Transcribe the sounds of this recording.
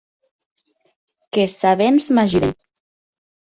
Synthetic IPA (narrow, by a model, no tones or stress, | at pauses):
kesaβenzmaʒiɾen